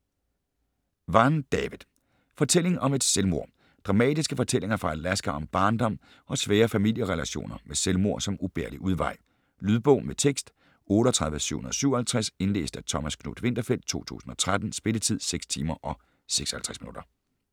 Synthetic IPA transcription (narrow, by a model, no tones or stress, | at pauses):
ʋɑ̈nd̥ɛʋiðˠ | fɒ̽t͡sʰel̰e̝ŋʔɒ̽me̝d̥selmo̝ɐ̰ | d̥ʁɑ̈mɛ̰ːd̥isɡ̥əfɒ̽t͡sʰel̰e̝ŋɐfʁɑ̈ælæsɡ̥æɒ̽mb̥ɑ̈ːnd̥ɒ̽m̰ | ɒ̽sʋɛːɐfæmil̰jəʁɛlæɕo̝̰ːnɐmeselmo̝ɐ̰sɒ̽mub̥eɐliʔuð̞ˠʋɑ̈ɪ̰ | lyðˠb̥ɔ̽ʊ̰met͡sʰeɡ̥sd̥ | ɔ̽ːɾəɒt͡sʰʁɑ̈ðˠʋəsy̰ʊhonɐð̩ˠɒsyʊɐhælt͡sʰʁase̝nle̝̰ːsd̥æt͡sʰɒ̽mæskʰno̰ːd̥ʋe̝n̰d̥ɐfel̰d̥̚t͡sʰo̝̰ːt͡sʰṵːsn̩ɒ̽t͡sʰʁad̥n̩sb̥e̝lət͡sʰið̞̰ˠseɡ̥st͡sʰiːmɐʔɒ̽ | seɡ̥sɒ̥hælt͡sʰʁɛsminud̥ɐ